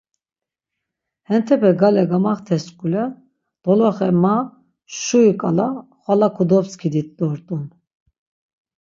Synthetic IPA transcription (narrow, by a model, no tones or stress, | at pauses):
hɛnt̪ʰɛbɛɡalɛɡamaχt̪ʰɛskʼulɛ | d̪̥ɔlɔχɛma | ʃuikʼalaχwalakʰud̪ɔpskʰid̪it̪ʼd̪ɔɾt̪ʼun